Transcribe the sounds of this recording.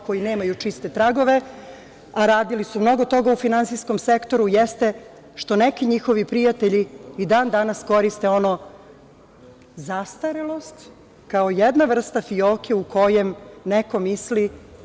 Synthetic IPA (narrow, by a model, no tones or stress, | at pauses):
ko̞jine̞ːmajut͡ʂist̪e̞t̪ɾaɡo̞ʋe | aɾaːd̪ilisumno̞ɡo̞t̪o̞ɡaufinantsijsko̞mse̞kt̪o̞ɾujest̪e | ʃt̪o̞nekiɲixo̞ʋipɾijat̪eʎiːd̪aːnd̪anasko̞ɾist̪eo̞no̞ | zast̪aɾelˠo̞st̪ | kaojed̪naʋr̩st̪afioːkeuko̞jemneko̞misli